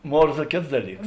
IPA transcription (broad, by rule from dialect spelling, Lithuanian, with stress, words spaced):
ˈmoːrzɐ ˈkʲeːts ˈdɑːˌlʲiːks